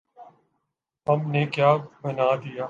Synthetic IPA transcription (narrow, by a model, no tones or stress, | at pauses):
ɦəmneːkjaːbənaːd̪ijaː